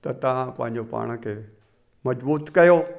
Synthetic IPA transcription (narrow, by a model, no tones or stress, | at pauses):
t̪ɐt̪ɐʋãpɐ̰̃ɦɪ̃ɲd͡ʑopa̰ːɽ̃ə̆kʰeː | mɐzbuːt̪kɐjoː